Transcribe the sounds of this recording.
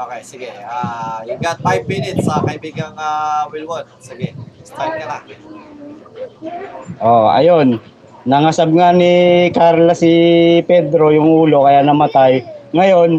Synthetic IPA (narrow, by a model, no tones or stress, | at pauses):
ʔoːkejsɪɡɛaɪɡat̪̚fajb̚mɪnɪt̪sɐkɐɪbiːɡɐŋawɪlwod̪sɪɡɛst̪ajd̪̚kɐna | ʔoʔɐ̰jo̞nː | ɐŋɐsab̚ŋanɪkaɾlasɪpɛd̪ɾo̞jʊŋʔuːlo̞kɐjanɐmɐt̪ajŋɐjo̞n